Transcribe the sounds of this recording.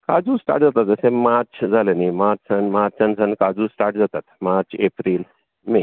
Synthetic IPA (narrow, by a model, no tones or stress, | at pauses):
kad͡zusʈa̰ːɾʈ̚d͡zat̪at̪̚d͡zəsẽmaɾt͡sd͡zʱalənimaɾt͡ɕanmat͡sãnd͡zʱankad͡zusʈaɾʈd͡zat̪at̪maɾt͡ʃepɾiːl | me